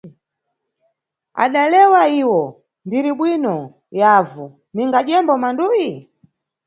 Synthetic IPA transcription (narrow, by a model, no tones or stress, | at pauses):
a̰ɗalɛwaiwɔ | ndiɾiɓwinɔ | jaːvu | niŋɡaʄɛmbɔmanduji